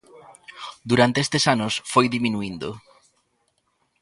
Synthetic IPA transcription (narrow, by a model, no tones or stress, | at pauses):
d̪uɾant̪eest̪esanʊsfojðimĩnuind̪o